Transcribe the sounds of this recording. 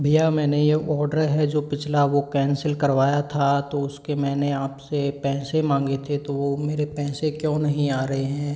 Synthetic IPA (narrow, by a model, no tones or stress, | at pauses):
bʱijamɛːnejeɔːɾɖəɾɦɛd͡ʒoːpɪt͡ʃʰlaʋokɛ̃ːnsəlkɐɾʋaːjat̪ʰat̪oʊskemɛ̃ːneaːpsepɛ̃ːsemãːŋɡet̪ʰet̪oʋomeːɾepɛ̃ːsekjõːnɐɦĩaːɾɐɦeɦɛ̃ː